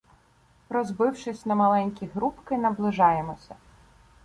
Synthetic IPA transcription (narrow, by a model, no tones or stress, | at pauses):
ɾɔzbɪwʃɪsʲnɐmɐlˠɛnʲkʲiɦɾupkɪnɐblˠɪʒɑjemɔsʲɐ